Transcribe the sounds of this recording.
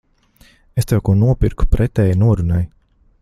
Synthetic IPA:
est̪ewkuɔnuɔpiɾku̥pɾʔɛt̪ɛːjnuɔɾunaj

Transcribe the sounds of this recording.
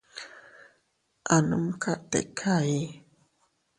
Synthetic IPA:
ʔanumkʰaʔt̪ḛkʰai

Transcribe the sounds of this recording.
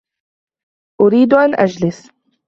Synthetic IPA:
ʔʊɾiːd̪ʔanʔad͡ʒlɪs

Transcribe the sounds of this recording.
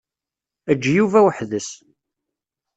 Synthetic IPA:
æd͡ʒːjuvæwəħðəs

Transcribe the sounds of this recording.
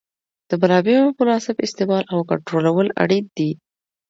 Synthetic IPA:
d̪̥əbalɑbeɾoməlɑsɪbɪst̪ɪmɑlʔawka̰ɳʈɾolawəla̰ɽit̪̚d̪i

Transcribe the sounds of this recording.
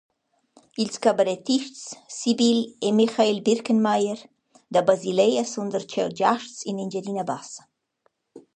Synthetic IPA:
ilskabaɾɛt̪iʃtsːibilemixailbiɾkənmajəɾ | d̪abazilɛjasund̪əɾt͡ʃɛwd͡ʒaʃtsinind͡ʒɛdinabasə̥

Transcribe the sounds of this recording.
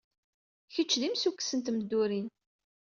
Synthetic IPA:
çət͡ʃːðimsukːsənt̪məd̪ːuɾin

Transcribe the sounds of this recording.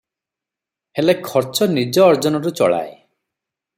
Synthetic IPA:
helekʰɔɾt͡ʃɔnid͡ʒɔːɾd͡ʒɔnɔɾut͡ʃɔ̰ɭa̰e

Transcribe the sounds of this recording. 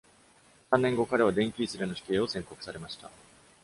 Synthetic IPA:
sãnːẽ̞ŋɡo̞kaɾe̞β̞ad̪ẽ̞ŋkʲiːsɨɾenoɕi̥ke̞ːo̞sẽ̞ŋko̞kɯ̟̥saɾe̞maɕi̥t̪a̰

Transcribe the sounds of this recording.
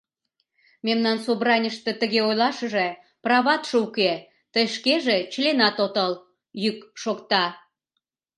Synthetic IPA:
memnɑnsobrɑnʲəʃt̪ə̆t̪əɣeojlɑʃə̆ʒe | prɑβɑt̪ʃəuke | t̪əjʃkeʒet͡ɕlenɑt̪ot̪əl | jykʃokt̪ɑ

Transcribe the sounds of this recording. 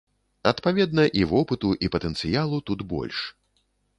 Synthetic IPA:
ɐt̪pavʲɛd̪nɐʔivɔpɨt̪uʔipɐt̪ɛnt̪sɨjalˠut̪ud̪bɔ̰lʲʂ

